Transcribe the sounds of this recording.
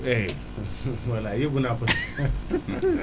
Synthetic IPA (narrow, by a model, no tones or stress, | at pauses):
e | məlajiɡunapəs